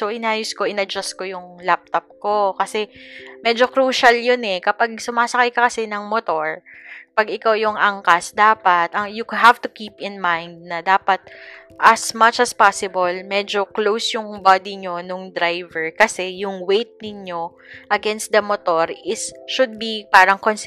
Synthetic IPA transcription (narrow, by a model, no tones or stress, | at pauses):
soʔɪnaːjʊsko̞ʔɪnɐd͡ʒɐst̪̚kojʊŋlap̚t̪op̚ko̞kɐsɛmɛd͡ʒo̞kɾuːʃɐljʊnɛkɐpaɡ̚sʊmaːsɐkɐjkɐkɐsɛnɐŋmot̪o̞ɹpɐɡɪkawjʊŋʔɐŋkɐsd̪aːpɐt̪ɐŋjʊɦavt̪ʊkiːpɪnmajnd̪̚nɐd̪aːpɐt̪̚ʔɐsmɐt͡ʃɐspasɪbɐlmɛd͡ʒo̞klowsjʊŋbad̪iɲo̞nʊŋd̪ɾajvɛɹkɐsɛjʊŋwejt̪̚nɪɲo̞ | ʔɐɡɛnst̪̚d̪ɐmot̪o̞ɹɪsʃʊd̪̚bipaːɾɐŋkons